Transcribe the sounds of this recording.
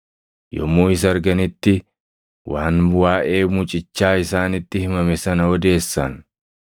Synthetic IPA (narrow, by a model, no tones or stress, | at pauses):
jɔ̰muːɪs̬ɐɾɡɐnɪt̪ːɪ | waːnwaːʔe̞ːmʊt͡ʃʼɪt͡ʃːaːɪsaːnɪt̪ːɪhɪmɐmɛsɐnɐɔd̪e̞ːsːɐ̰n